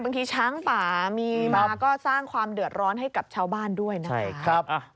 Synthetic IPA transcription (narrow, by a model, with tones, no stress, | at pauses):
ba˧ŋt̪ʰiː˧t͡ɕʰaː˦˥ŋpaː˨˩miː˧maː˧kɔː˥˩saː˥˩ŋkʰwaː˧mdɯ˨˩ət̪̚ɾɔː˦˥nɦa˥˩jka˨˩p̚t͡ɕʰaː˥˩wbaː˥˩ndu˥˩əjna˦a˥˩jʰɾa˦˥p̚